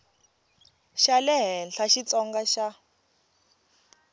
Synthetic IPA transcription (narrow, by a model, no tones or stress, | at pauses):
ʃalɛɦɛnɬʰaʃit͡sɔŋɡaʃa